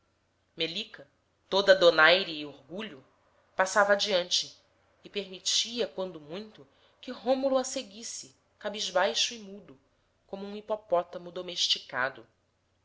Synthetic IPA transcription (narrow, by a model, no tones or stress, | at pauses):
melikɐ | t̪od̪ɐd̪onajɾiːoɾɡuʎʊ | pasavɐaːd͡ʒiɐ̃nt͡ʃɪː | peɾmit͡ʃiɐkwɐ̃nd̪ʊmũj̃t̪ʊ | kɪɦõmuluaseɡisɪ | kabiʒbajʃuimud̪ʊ | kõmʊũipɔpɔt̪ɐmʊd̪omeʃt͡ʃika̰d̪ʊ